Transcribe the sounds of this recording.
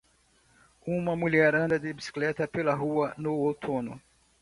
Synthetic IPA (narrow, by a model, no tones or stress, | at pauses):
ũmɐmuʎɛɾɐ̃nd̪ɐd̪ɪbisi̥klɛt̪ɐpelɐɦuɐnʊot̪ʰõnʊ̰